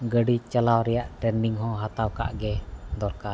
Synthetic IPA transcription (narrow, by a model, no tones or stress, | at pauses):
ɡəɖit͡ʃalawɾijaʔʈɾɛndiŋɦɔ̃ɦat̪awka̰ʔɡɛd̪ɔɾka